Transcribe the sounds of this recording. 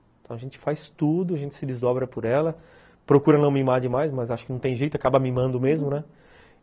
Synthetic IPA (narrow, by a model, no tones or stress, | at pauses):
ɪ̃t̪ɐ̃w̃ɐʒẽnt͡ʃɪ̥fajst̪ud̪ʊɐʒẽnt͡ʃɪ̥sɪd͡ʒɪzd̪ɔbɾɐpʊɾɛlɐ | pɾokuɾɐnɐ̃w̃mimaɾd͡ʒɪmajsmɐzaʃʊkɪnɐ̃w̃t̪ẽj̃ʒejt̪ʊakabɐmimɐ̃nd̪ʊmezmʊnɛ